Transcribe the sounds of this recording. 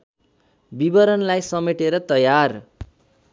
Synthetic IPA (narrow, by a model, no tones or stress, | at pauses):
bibʌɾʌnlajsʌmeʈeɾʌt̪ʌjar